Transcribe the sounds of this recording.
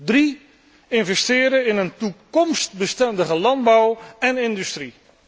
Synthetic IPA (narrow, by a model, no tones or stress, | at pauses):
dri | ɪnvɛstɪːɾəɪnəntukɔmstbəstɛndəχəlɑnd̚bawɛnɪndʉstri